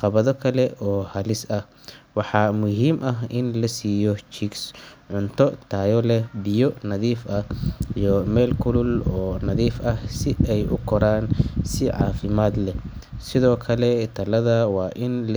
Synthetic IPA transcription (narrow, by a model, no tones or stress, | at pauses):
qɑβɐðɔkʰɐlɛʔɔːhɐlɪsɐh | wɑħɑːmʊɦiːmʔɐɦɪnlɐsiːjɔt͡ʃiksʕʊnt̪ʰɔt̪ʰaːjɔlɛbɪjɔnɐðiːfɐijɔmɛːlkʰʊlʊlɔːnɐðiːfɐhsɪɛjʔʊ̰kʰɔɾaːnsɪʕɑ̰ːfɪmaːd̪lɛsɪðɔːkʰɐlɛt̪ʰɐlɐðɐwɑːʔɪnl